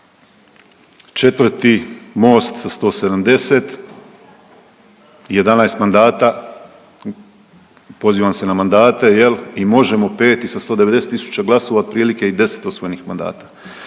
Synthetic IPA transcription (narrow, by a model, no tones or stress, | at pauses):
t͡ʃe̞t̪ʋr̩t̪imo̞ːst̪sast̪o̞ːse̞d̪amd̪e̞se̞t̪ | je̞d̪anaest̪mand̪aːt̪a | po̞ziːʋamse̞namand̪aːt̪e̞jelimo̞ʒe̞mo̞pe̞ːt̪isast̪o̞ːd̪e̞ʋe̞d̪e̞set̪ːisu̥t͡ɕaɡlˠaso̞ːʋaod̪̚pɾiːlike̞id̪e̞se̞̥t̪osʋojenixmand̪a̰ːt̪ḁ